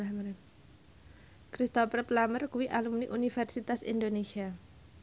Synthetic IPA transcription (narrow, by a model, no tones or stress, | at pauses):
m | kɾist̪ɔpərplamərkuwiʔalumniʔunifɛrsit̪asḭnd̪onesia